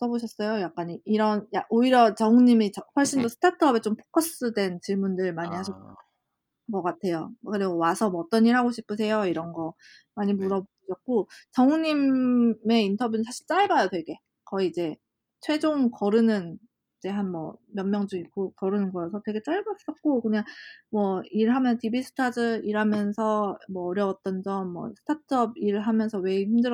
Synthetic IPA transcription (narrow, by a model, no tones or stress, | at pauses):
s͈ʌboɕʰʌs͈ʌjojak̚k͈aɲiiɾʌnjaʔoiɾjʌt͡ɕʌŋuɲimit͡ɕʌɸwʌɭɕ͈indosʰɯ̥tʰatʰʌbet͡ɕompʰo̥k͈ʰʌs͈ɯdwe̞nt͡ɕiɭmundɯɭmaɲihaɕ̬ʰʌ | ɡʌk͈atʰe̞jokɯɾiɡowasʰʌmʌt͈ʌniɭɦaɡoɕʰip͈ʰɯs̬ʰe̞joiɾʌnɡʌ | maɲimuɾʌb | ɕʰʌk̚k͈ot͡ɕʌŋuɲime̞intʰʌbjunɯnsʰaɕʰi̥ɭt͡ɕ͈aɭbajʌtwe̞ɡe̞ | kʌiːd͡ʑe̞ | t͡ɕʰwe̞d͡ʑoŋkʌɾɯnɯn | id͡ʑe̞ɦanmwʌ̰mjʌnmjʌŋd͡ʑuik͈okʌɾɯnɯnɡʌsʰʌtwe̞ɡe̞t͡ɕ͈aɭbas͈ʌt̚k͈okɯɲaŋmwʌiɾɯɭɦamjʌnsʰʌtibisʰɯ̥tʰad͡ʑɯiɾamjʌnsʰʌmwʌːɾjʌwat̚t͈ʌnd͡ʑʌnmwʌ̰sʰɯ̥tʰatʰʌb̚iɾɯɭɦamjʌnsʰʌwe̞çimdɯɾ